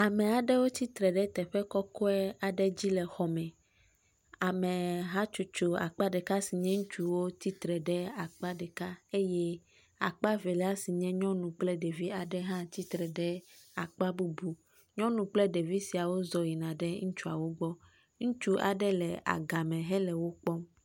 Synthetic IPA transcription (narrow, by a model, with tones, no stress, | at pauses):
a˨mɛ̃˨a˨ɖɛ˦wo˦t̪i˦t̪ɾɛ˨ɖɛ˦t̪ɛ˨ɸɛ˦kɔ˦kɔ˦ɛ˦a˨ɖɛ˦d͡ʑi˦lɛ˨xɔ˨mɛ̃˨ | a˨mɛ̃˨ɦã˦t͡ʃu˨t͡ʃu˨a̰˨k͡pa˦ɖɛ˨ka˦si˨ɲɛ̃˦ŋũ˦t͡ʃu˦wo˦t̪i˦t̪ɾɛ˨ɖɛ˦a˨k͡pa˦ɖɛ˨ka˦e˦jɛ˦ | a̰˨k͡pa˦vɛ˨lɛ˦a˦si˨ɲɛ̃˦ɲɔ̃˦nũ˨k͡plɛ˦ɖe˨vi˦a˨ɖɛ˦ɦã˦t̪i˦t̪ɾɛ˨ɖɛ˦a˨k͡pa˦bu˦bu˨ | ɲɔ̃˦nũ˨k͡plɛ˦ɖe˨vi˦si˨a˨wo˦zɔ˨ji˨nã˨ɖɛ˦ŋũ˦t͡ʃu˦a˨wo˦ɡ͡bɔ˦ | ŋũ˦t͡ʃu˦ʔa˨ɖɛ˦lɛ˨a̰˨ɡa˨mɛ̃˨ɦɛ˦lɛ˨wo˦k͡pɔ˦m